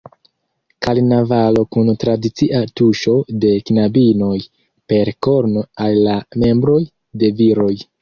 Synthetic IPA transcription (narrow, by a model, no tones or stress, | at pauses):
kalnavalo̞kuntɾadit͡siʔatuʃo̞de̞knabino̞j | pe̞ɾko̞ɾnoalːame̞mbɾo̞j | de̞viɾo̞j